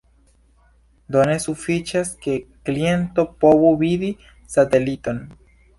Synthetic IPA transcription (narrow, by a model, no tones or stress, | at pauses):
d̪o̞ne̞sufit͡ʃaske̞klie̞nto̞po̞vuvidi | sate̞lito̞n